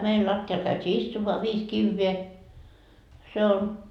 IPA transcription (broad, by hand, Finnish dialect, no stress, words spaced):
meil lɑtːiɑl kæytʲiː istumːoɑ ʋiːs kiʋːeː se on